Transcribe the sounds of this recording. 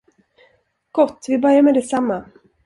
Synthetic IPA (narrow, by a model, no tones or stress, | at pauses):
ɡ̥ɔt̪ːvɪbœɾjaɾmɛd̪ɛsamːa